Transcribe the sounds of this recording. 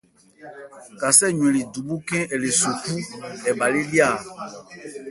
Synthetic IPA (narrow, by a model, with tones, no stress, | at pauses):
ka˨sɛ˦˨ɲwẽ˨li˨du˨bu˦kɛ̃˦ɛ˨le˨so˨ku˦ɛ˨ba˨li˦li˦a˦˨